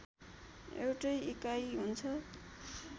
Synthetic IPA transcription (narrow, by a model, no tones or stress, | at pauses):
ḛwʈʌjikajɦunt͡sʰʌ